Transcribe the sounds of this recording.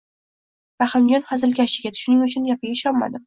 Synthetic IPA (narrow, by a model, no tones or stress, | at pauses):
ɾaχamd͡ʒɒnχazɪlɡʲaʃɪɡʲat̪ʰʊ̥ʃʊnɪŋʊt͡ʃʰʊnjapʰɪɡʲaɪʃɒnma̰d̪ɪ